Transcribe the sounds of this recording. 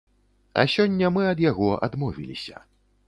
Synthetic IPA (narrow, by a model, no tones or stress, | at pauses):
ɐ̰sʲɔnʲːɐmɨɐd̪jaɣɔa̰d̪mɔvʲilʲisʲɐ̥